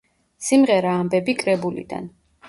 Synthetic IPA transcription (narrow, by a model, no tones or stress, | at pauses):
simʁɛɾaːmbɛbikʼɾɛbulḭd̪a̰n